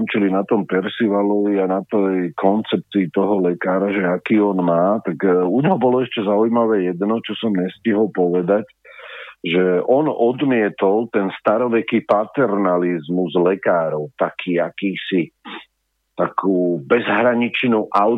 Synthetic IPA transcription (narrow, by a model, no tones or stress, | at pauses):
mt͡ʃulinat̪ɔmpɛɾsiʋalɔʋianat̪ɛjkʰɔnt͡sɛp̚t͡siːt̪ɔɦɔlɛkaːɾaʒɛakiːɔnmaːt̪aɡuɲɦɔbɔlɔɛʃcɛzaujmaʋɛːjɛd̪nɔt͡ʃɔsɔmɲɛsciɦɔlpɔʋɛd̪ac | ʒɛʔɔnɔd̪mɪɛt̪ɔlˠt̪ɛnst̪aɾɔʋɛkipat̪ɛɾnalizmuzlɛkaːɾɔʊt̪akʰiːakiːsi | t̪akʰuːbɛzɦɾaɲit͡ʃnuʔa